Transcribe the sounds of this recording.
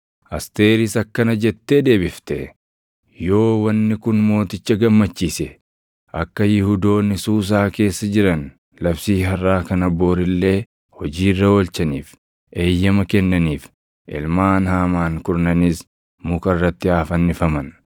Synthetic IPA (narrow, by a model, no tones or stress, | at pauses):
ʔɐst̪e̞ːɾɪsɐkːɐnɐd͡ʒɛt̪ːe̞ːd̪e̞ːbɪft̪ɛ | jo̞ːwɐnːɪkʊnmo̞ːt̪ɪt͡ʃːɐɡɐmːɐt͡ʃːiːsɛ | ʔɐkːɐjɪhʊd̪o̞ːnːɪsuːs̬aːke̞ːsːɐd͡ʒɪɾɐn | lɐfsiːɦɐrːaːkɐnɐbːo̞ːɾɪlːe̞ː | hɔd͡ʒiːrːɐɔlt͡ʃɐniːf | e̞ːjːɐmɐkɛnːɐniːf | ʔɪ̰lmaːnhaːmaːŋkʊɾnɐnɪs | mʊkɐrːɐt̪ːɪaːfɐnːɪfɐmɐn